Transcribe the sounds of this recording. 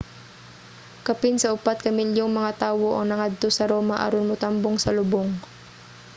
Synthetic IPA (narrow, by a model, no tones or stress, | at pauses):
kɐpɪnsɐʔʊpat̪̚kɐmɪljoŋmɐŋat̪aːwo̞ʔɐŋnɐŋad̪̚t̪osɐɾoːmɐʔɐ̰ɾonmʊt̪amboŋsɐlʊboŋ